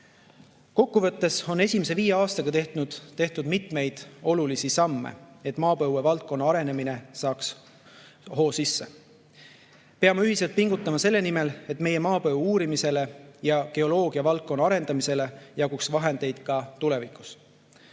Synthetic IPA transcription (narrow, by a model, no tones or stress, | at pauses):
ko̞kːuvɤ̞t̪ːe̞so̞ne̞sʲimes̬e̞viːjeɑːst̪ɑɡ̥ɑt̪e̞ht̪nud̪̥t̪e̞ht̪ud̪̥mit̪me̞jd̪̥o̞lulisisɑmːḛe̞t̪ːˑmɑːpɤwːevɑlt̪̚ko̞nːɑɑɾe̞ne̞mine̞sɑːks | ho̞ːsisːe̞ | peɑmɑyɦiselt̪̚piŋɡut̪ːˑɑmɑse̞lːe̞nime̞le̞t̪ːme̞je̞mɑːpɤuuːɾimise̞le̞jɑke̞o̞lo̞ːɡ̥iɑvɑlt̪̚ko̞nːɑɑɾe̞nd̪̥ɑmise̞le̞jɑɡuksvɑɦe̞nd̪̥e̞jd̪̥kɑt̪ule̞vikˑu̥s